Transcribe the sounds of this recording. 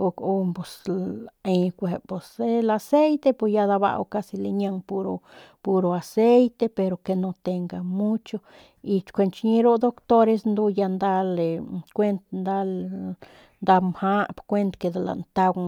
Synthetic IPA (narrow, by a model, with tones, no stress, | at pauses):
o˧ko˦po˨s | e˧kʷe˨po˨se˦la˧se˦jt̪e˦pe˧sja˧d̪a˧βa̰˧wka˧si˧le˧ɲa˧ŋpu˧ɾo˧ | pu˧ɾo˨a˨se˦jt̪e˧pe˧ɾo˧ke˧no˧t̪e˧ŋɡa˧mu˦t͡ʃo˧ | i˧t͡ʃkʷe˧nt͡ʃɲi˧ɾo˦d̪o˦kt̪o˦ɾe˧snd̪u˦ja˧nd̪a˦le˨kʷe˦nt̪nd̪a˦l | nd̪a˧mha˦pkʷe˦nt̪ke˧d̪a˧la̰˨nt̪a˧ɡ